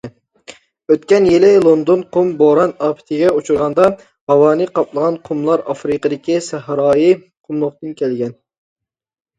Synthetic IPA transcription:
øt̪̚kʲɛnjelɪlˠond̪onqʰomboɾɑnɑːpʰɪ̥t̪ʰɪɡʲɛut͡ʃʰuɾʁɑnd̪ɑ | hɑwɑːnɨqɑplˠəʁɑnqʰumlˠɑɾɑ̰fɾɨqəd̪ɪkʲisæhɾɑːji | qʰʊmlˠʊχt̪ɨnkʲʰɛlɡʲɛn

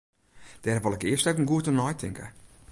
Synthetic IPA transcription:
d̥ɛrʋɑlˠɛkɪərstɛwkənɡuətənɔjtʰɪ̰ŋkə̰

